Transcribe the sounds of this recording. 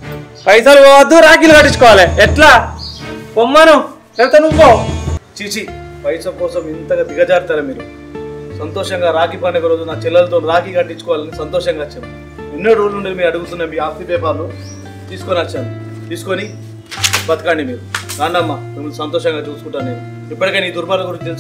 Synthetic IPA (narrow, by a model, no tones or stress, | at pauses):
pɐjsaluɔɐd̪ːuɾaːk̬iːlukɐʈːit͡ʃːukɔːʋaːleɛʈlaː | pomːanu | elt̪enumoːt͡ʃit͡ʃi | pɐjsɐmkɔːsɐmint̪ɐɡad̪iɡɐd͡ʒaːɾt̪aːɾɐmiːɾu | sɐnt̪ɔːʂɐŋɡaːɾaːkipɐnɐkɐɾoːd͡ʒunaːt͡ʃɛlːɐlɐt̪oːnɾaːkiːkɐʈːit͡ʃːu̥kɔʋaːlɐnisɐnt̪ɔːʃɐŋɡaːt͡ʃːɐm | inːoːɾoːluɳɖedimiːɾɐɽuɡut̪unːaːmiːaːst̪ibɛːpaːɾlu | t̪iːsu̥koniɐt͡ʃːaːɾu | t̪iːsu̥koni | bɐt̪ɐkaːɳɖimiːɾunaːɳɖɐmːamemuusɐnt̪ɔːʃɐŋɡaːt͡ʃuːsu̥kuɳʈːaːɾmiːɾu | ipːɐʈikeːniːd̪uɾbalɐɡuɾint͡ʃut̪es